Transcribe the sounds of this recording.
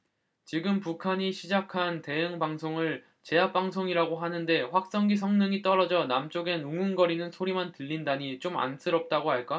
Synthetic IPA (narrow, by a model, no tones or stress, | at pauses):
t͡ɕiɡɯmpukʰaɲiɕʰid͡ʑakʰante̞ɯŋbaŋsʰoŋɯɭ | t͡ɕe̞ap̚p͈aŋsʰoŋiɾaɡoɦanɯnde̞ɸwak̚s͈ʌŋɡisʰʌŋnɯŋit͈ʌɾʌd͡ʑʌnamt͡ɕ͈oɡe̞nuŋunɡʌɾinɯnsʰoɾimantɯʎːindaɲit͡ɕ͈oma̰ns͈ʰɯɾʌp̚t͈aɡoɦaɭk͈a